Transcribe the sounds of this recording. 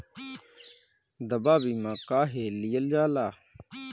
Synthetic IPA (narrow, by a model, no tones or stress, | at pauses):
d̪ɐbaːbiːmãːkaːɦelijəld͡ʒaːlaː